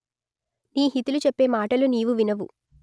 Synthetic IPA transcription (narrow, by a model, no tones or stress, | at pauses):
niːɦit̪ulut͡ʃepːe̞ːmaːʈɐluniːʋuʋinɐʋu